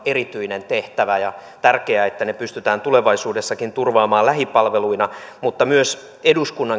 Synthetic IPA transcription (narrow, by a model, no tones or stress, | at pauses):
erit̪yinent̪eht̪æʋæjɑt̪ærkeæet̪ːænepyst̪yt̪æːnt̪uleʋɑisuːdesːɑkint̪urʋɑːmɑːlæɦipɑlʋeluinɑmut̪ːɑmyøs | eduskunːɑŋ